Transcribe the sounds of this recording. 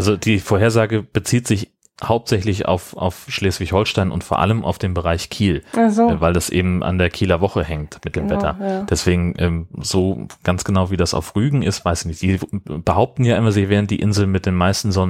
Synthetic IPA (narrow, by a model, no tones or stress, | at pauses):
ʔalzod̥iːfoːɐheːɐzaːɡəb̥ət͡siːtz̥ɪç | haʊp̚tz̥ɛçlɪça̰ʊfʔa̰ʊfʃleːsv̥ɪçhɔlʃtaɪnʔʊ̰ntfoːɐʔa̰ləmʔa̰ʊfd̥eːmbəʁaɪçkʰiːlvaɪldasʔḛːbm̩ʔa̰ndeːɐkʰiːlɐvɔχəhɛŋtmɪt̚d̥eːmvɛtɐ̰d̥ɛsv̥eːɡŋ̩ʔɛ̰ːmz̥oːɡ̥ansɡ̥ənaʊviːdasa̰ʊfʁyːɡŋ̩ɪstv̥aɪsɪçnɪçtz̥iːb̥əɦaʊp̚tn̩jaːʔɪmazɪçv̥ɛːʁnt̚d̥iːʔɪnzl̩nmɪt̚d̥eːnmaɪstn̩zɔnə